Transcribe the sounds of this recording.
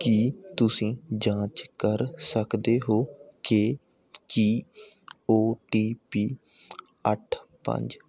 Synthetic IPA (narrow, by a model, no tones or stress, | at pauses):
kiːt̪ʊsĩːd͡ʒãːt͡ʃkəɾsəkd̪eːɦoːke | kiː | oːʈiːpiː | ə̰ʈʰpə̰̃ɲd͡ʒ